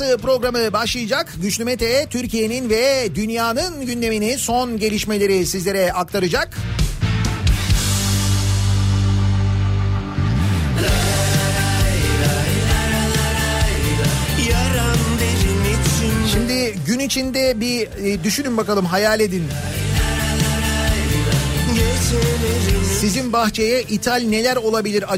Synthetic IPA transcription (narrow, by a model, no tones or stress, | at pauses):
ɯpɾo̞ɡɾamɯbaʃlˠɯjɯd͡ʒakɟyt͡ʃlʲymet̪ʰɛjɛt̪ʰyɾcʰije̞ninvɛd̪ynjaːnɯnɟynd̪e̞miniso̞nɟe̞lʲiʃme̞lʲe̞ɾisizlʲe̞ɾɛak̚t̪ʰaɾɯd͡ʒak | jaɾand̪eɾinesinʃimd̪ɪɟynit͡ʃʰind̪ɛbi | d̪yʃynymbakalˠɯmɦajaːlʲed̪in | sɾsizinbaxt͡ʃʰejɛʔit̪ʰalʲne̞lʲæɾo̞lˠabilʲiɾa